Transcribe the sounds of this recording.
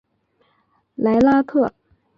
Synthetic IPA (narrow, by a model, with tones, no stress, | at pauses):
la˧˥ɪla˥k̪ʰɤ˥˩